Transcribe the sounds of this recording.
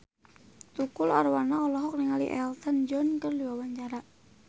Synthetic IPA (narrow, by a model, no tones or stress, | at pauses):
t̪ukularwanaɔlɔɦɔk̚niŋalḭʔɛ̰lt̪ənd͡ʒɔnkərliwawaɲt͡ʃaɾa